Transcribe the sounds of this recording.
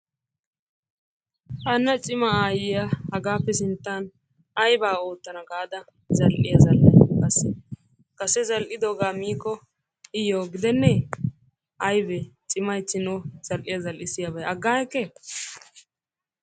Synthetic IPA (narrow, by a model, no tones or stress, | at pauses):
hɐnːɐt͡ʃʼɪmɐaːjɪjahɐɡaːpːɛsɪnt̪ːan | ɐjbaːoːt̪ːɐnɐɡaːd̪ɐ | zɐlʔɪ̰jɐzɐlʔɐ̰kɐsɛ | kɐsɛzɐlʔɪd̪oːɡaːmiːkːɔ | ɪjoːɡɪd̪ɛnːɛ | ʔɐjbɛt͡ʃʼɪmɐjt͡sːɪnɔz̥ɐlʔɪjɐzɐlʔɪsɪjɐbɐjɐɡːaːjɛkːɛ